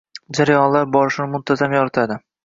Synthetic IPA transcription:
d͡ʒaɾajɒnlaɾbɒɾɪʃɪnɪmʊnt̪ʰazamjɒɾɪt̪ʰad̪ɪ

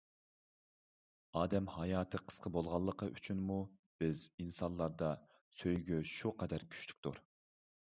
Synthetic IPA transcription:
ɑːd̪ɛmhɑjɑːt̪ʰɨqʰə̥sqʰəbolˠʁɑlˠːəqʰəʔyt͡ʃʰynmub̥ɪzinsɑnlˠːɑɾd̪ɑ | søjɡʲyʃuqʰɛd̪æɾkʲʰy̥ʃly̥k̚ʲt̪uɾ

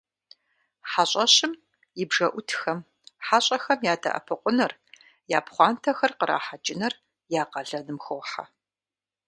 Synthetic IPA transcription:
ħaɕʼɐɕɪm | jɪbʐɐʔʷʊtʰxɐm | ħaɕʼɐxɐmjaːdʰɐ̰ʔɐ̰pʰɨqʷʼʊnɐr | jaːpχʷɑːntʰɐxɐrqəɾʔa̰ːħad͡ʒʼɪnɐr | jaːqɐɮɐnɨmxowħa̰

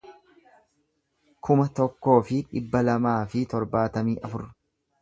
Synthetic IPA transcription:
kʰʊmɐt̪ɔkːo̞ːfɪᶑɪbːɐlɐmaːfɪt̪ɔɾbaːt̪ɐmiːʔɐfʊɾ

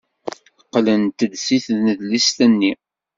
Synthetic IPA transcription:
qːlənt̪əd̪siθðnəðlist̪ənːi

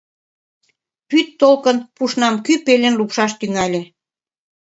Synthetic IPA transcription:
pyt̪ːolkənpuʃnɑmkypelʲenlupʃɑʃt̪yŋɑlʲe

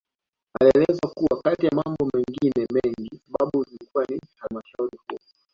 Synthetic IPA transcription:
aliɛlɛzwakuwakatijamambɔmɛŋɡinɛmɛŋɡisaɓaɓuzilikuwanihalmaʃauɾihu

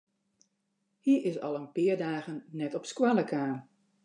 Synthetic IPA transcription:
hiəɹɪsɑlˠənpɪəɹdaːɣənnɛtɔpskwalˠəkaːn

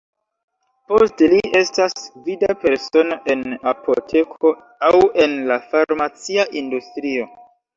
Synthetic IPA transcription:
posteliʔe̞stasvidape̞ɾso̞no̞ʔe̞napʰo̞tʰe̞kʰo̞ | awe̞nlafaɾmat͡siaʔindustɾio̞

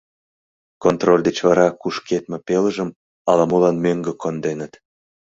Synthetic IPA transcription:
kont̪rolʲd̪et͡ɕvɑɾɑkuʃket̪mĕpeləʒəm | ɑlɑmulɑnmøŋɡə̆kond̪enət̪

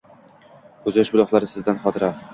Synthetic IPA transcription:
kɵzʃbʊlˠɒχlˠaɾɪsɪzd̪anχɒt̪ʰɪɾa

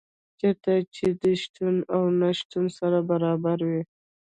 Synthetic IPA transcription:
t͡ʃat̪at͡ʃed̪əʃt̪unawnaʃt̪unsaɾabaɾɑbaɾwi

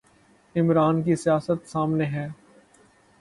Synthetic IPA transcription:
ɪmɾaːnkisijaːsət̪saːmneɦɛ̃ː

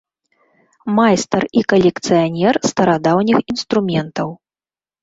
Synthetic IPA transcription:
majst̪ɐrikɐlʲɛkt̪sɨjanʲɛrst̪ɐɾad̪awnʲixinst̪ɾumʲɛnt̪ɐw

